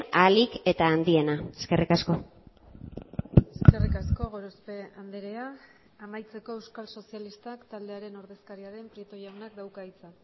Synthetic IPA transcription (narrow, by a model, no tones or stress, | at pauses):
alike̞t̪aːnd̪ie̞naeske̞rikasko̞ | eske̞rikasko̞ɣo̞ɾospe̞and̪eɾeaː | majt͡se̞ko̞e̞wskalso̞sijalist̪akt̪ald̪e̞aɾe̞no̞ɾðe̞skaɾiaɾe̞mpɾie̞t̪ojawnakd̪awkait͡sa